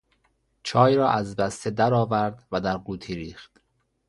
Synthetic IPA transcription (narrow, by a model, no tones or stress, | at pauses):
t͡ʃʰɒːjɾɒːʔæzbæst̪ʰed̪æɾɒːvæɾd̪væd̪æɾɡuːt̪ʰiːɾiːχt̪